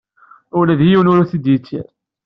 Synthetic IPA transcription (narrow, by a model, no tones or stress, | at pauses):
ʊlæðjiwnʊɾæθid̪it͡sːḭɾ